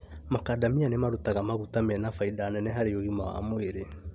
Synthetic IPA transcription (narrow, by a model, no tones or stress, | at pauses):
makadamianemaɾotaɣamaɣutamɛnafaiðaːnɛnɛɦaɾeoɣimawa̰moeɾe